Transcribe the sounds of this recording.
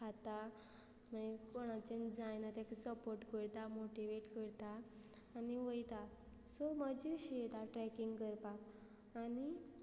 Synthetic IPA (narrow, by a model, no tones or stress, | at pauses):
kʰat̪a | məkoɽ̃ãt͡ɕənd͡zajnət̪akisəpoɾʈkəɾt̪amoʈiʋeʈkəɾt̪aː | niʋəjt̪a | sɔməd͡ʑiɕit̪aʈɾɛkiŋɡkəɾpak | ani